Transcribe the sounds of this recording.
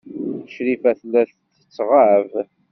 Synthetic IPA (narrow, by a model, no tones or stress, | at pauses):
θəʃɾifæθlːæθ | θə̥t͡sːʁaʕv